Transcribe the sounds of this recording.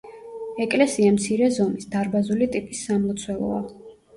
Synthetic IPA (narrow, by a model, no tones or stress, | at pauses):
ɛkʼlɛsiamt̪sʰiɾɛzɔmisd̪aɾbazulit̪ʼipʼisːamlɔt̪sʰwɛlˠɔ̰a̰